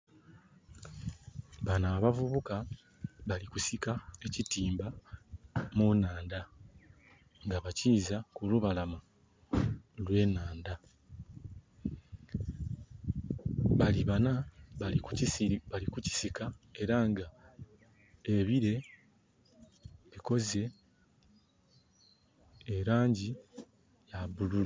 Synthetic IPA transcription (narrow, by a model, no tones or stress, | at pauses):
βanaːβavuβuka | βalikusikae̞citiːmba | munaːnda | ŋɡaβaciːzakuluβalamu | lwe̞ːnaːnda | βaliβanaβaiuiβalikuci̥sikae̞ɾaŋɡa | e̞βiɾe̞ | βiko̞ze̞ | ɾaːɲɟi | jaβulula